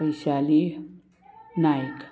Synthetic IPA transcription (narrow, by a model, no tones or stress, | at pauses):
isali | najk